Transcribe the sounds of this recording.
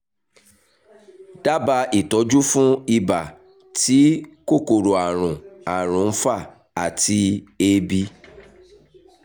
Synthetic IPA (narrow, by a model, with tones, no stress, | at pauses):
d̥a˦ba˧i˨tɔ˨˦d͡ʒu˦fũ˦i˧ba˨ | ti˨˦ko˦˨ko˨ɾo˨a˨ɾ̃ũ˨a˨ɾ̃ũ˨˦n̩˦fa˦˨ | a˨ti˧e˦bi˧